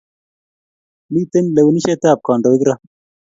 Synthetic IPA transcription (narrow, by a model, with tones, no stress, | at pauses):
miː˦t̪enle˨wuni˦ɕet̪aː˨p̚kɑːɳɖo˨i˦ɡɾa